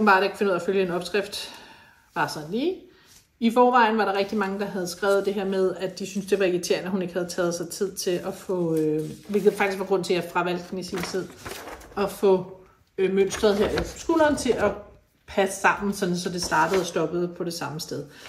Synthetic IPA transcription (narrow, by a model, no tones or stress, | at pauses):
mb̥ɑ̈ɾekʰfe̝nuð̰ˠɐføljəe̝nɒ̽b̥sɡ̥ʁɛfd̥ | ʋɑ̈sɒn̩liː | ifɒːʋɑ̈ɪn̩ʋɑ̈ɾɑ̈ʁeɡ̥d̥imɑ̈ŋəd̥ɑ̈ɦæð̞ˠsɡ̥ʁɛ̰ːʊð̞̩ˠd̥e̝ɦeɐ̰með̞ˠæd̥isynsd̥e̝ʋɑ̈eɡ̥it͡sʰe̝̰ɐ̰næhune̝ɡ̥hæð̞ˠt͡sʰɛːð̩ˠsɑ̈ɪt͡sʰið̰ˠt͡sʰe̝lʔɒfɔ̽øʋelɡ̥ð̩ˠfɑ̈ɡ̥isɡʋɑ̈ɡ̥ʁɔ̽n̰t͡sʰe̝jæfʁɑ̈ʋælɡ̥n̩isiːnsʰið̰ˠɒ̽fɔ̽ | møn̰sd̥ʁɐðˠɦeɐ̰elfsɡ̥oːlɐːnt͡sʰe̝ʔɒ | pʰæsə̥sɑ̈m̰n̩sɒ̽nn̩sɒ̽d̥e̝sd̥ɑ̈ːd̥əð̩ˠɒsd̥ɒ̽b̥ð̞̩ˠpʰɒ̽ɾ̥e̝sɑ̈məsd̥eð̞ˠ